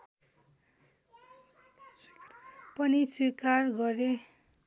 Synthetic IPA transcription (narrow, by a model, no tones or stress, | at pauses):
pʌniswikarɡʌɾe